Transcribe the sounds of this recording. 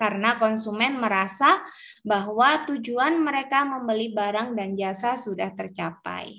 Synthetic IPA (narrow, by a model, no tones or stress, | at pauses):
kaɾənakɔnsumɛnməɾasa | baɦwat̪ud͡ʒuanməɾekaməmbəlibaɾaŋdand͡ʒasasudaht̪ərt͡ʃapa̰j